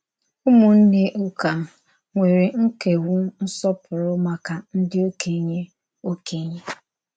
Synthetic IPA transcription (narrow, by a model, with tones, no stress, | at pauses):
ʊ˦mʊ˨n̩˦ne˦ʔʊ˦ka˨ | ŋʷe˨ɾi˨ŋ̩˦ke˨wu˦n̩˦sɔ˦pʰʊ˨ɾʊ˦ma˦ka˨n̩˦dɪ˦o˦ke˨ɲe˦ | o˦ke˨ɲe˦